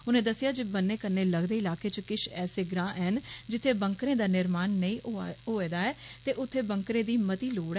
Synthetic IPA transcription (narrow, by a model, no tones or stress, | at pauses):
ʊnẽːd̪əsːɪjaːd͡ʒeːbənːeːkəɾneːləɡd̪eːɪlaːkeːt͡ʃkɪt͡ʃʰɛːseːɡɾãːʔɛːɦənd͡ʒɪt̪ʰːeːbəŋkɾẽːd̪aːnɪɾmaːnːəĩːɦoːeːd̪aːɛːt̪eːʔʊt̪ʰːeːbəŋkɾẽːd̪iːmət̪iːloːɽ